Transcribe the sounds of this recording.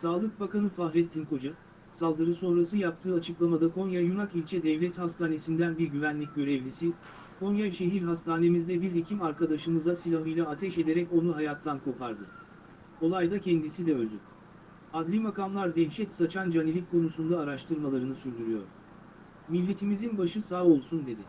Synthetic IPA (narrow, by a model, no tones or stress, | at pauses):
saːlˠɯk̚bakanɯfaɦɾɛt̪ʰːinko̞d͡ʒa | salˠd̪ɯɾɯso̞nɾasɯjap̚t̪ʰɯːat͡ʃʰɯklˠamad̪akʰo̞njajunakilʲt͡ʃʰɛd̪ɛvlʲɛt̪hast̪ʰaːne̞sind̪ænbiɾɟyvænlʲic̚ɟø̞ɾɛvlʲisi | kʰo̞njaʃe̞ɦiɾɦast̪ʰaːne̞mizd̪ɛbiɾicʰimaɾkad̪aʃɯmɯzasilʲaɦɯjlˠaːt̪ʰɛʃe̞d̪e̞ɾɛco̞nuɦajat̪ʰːankʰo̞pʰaɾd̪ɯ | o̞lˠajd̪acʰɛnd̪isid̪ɛø̞lʲd̪y | ad̪lʲimakamlˠaɾd̪ɛnʃɛt̪sat͡ʃʰand͡ʒanilʲic̚kʰːo̞nusund̪aːɾaʃt̪ʰɯɾmalˠaɾɯnɯsyɾd̪yɾyjo̰ɾ̥ | milʲːe̞t̪ʰimizinbaʃɯsaːo̞lˠsund̪e̞d̪ɪ